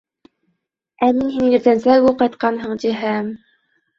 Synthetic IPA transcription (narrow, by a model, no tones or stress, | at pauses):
æminɦinɘ̆ɾt̪ænsæɡuqɑjt̪̚qɑnɦɤɴd͡ʑiɦæm